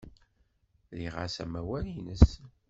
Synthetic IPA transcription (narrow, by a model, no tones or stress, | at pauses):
ðiʁa̰sæ̰mæwælinəs